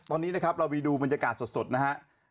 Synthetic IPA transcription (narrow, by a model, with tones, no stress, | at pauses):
t̪ɔː˧niː˦˥na˦˥kʰp̚ɾa˧wmiː˧duː˧ba˧nja˧kaː˨˩t̪̚so˨˩t̪̚so˨˩t̪̚na˦˥ha˦˥ʔ